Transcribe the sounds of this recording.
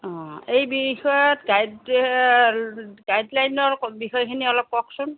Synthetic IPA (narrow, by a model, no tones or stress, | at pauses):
ɔ̃ejbixɔjɔtɡajd | ɡajdlajnɔɹbixɔjkʰiniɔlɔp̚kɔksʊn